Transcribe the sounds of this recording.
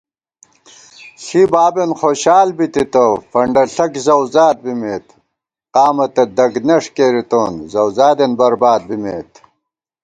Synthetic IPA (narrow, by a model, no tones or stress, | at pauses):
ɬibaːbenxoːɕaːlbit̪it̪ɐfɐɳɖɐɬɐkzɐwzaːt̪̚bimeːt̪ | qaːmɐt̪ɐd̪ɐɡneʂkeːɾit̪oːnzɐwzaːd̪enbɐɾbaːd̪̚bimeːt̪